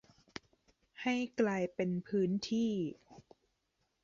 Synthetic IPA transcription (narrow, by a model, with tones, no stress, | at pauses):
ha˥˩jklaː˧jpe˧npʰɯː˦˥nt̪ʰiː˥˩